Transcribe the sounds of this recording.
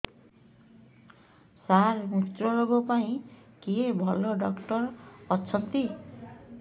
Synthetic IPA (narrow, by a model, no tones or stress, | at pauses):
saɾmit̪ɾɔɾoɡɔpaĩkiebʱɔloɖɔkʈɔɾɔt͡ʃʰɔnt̪i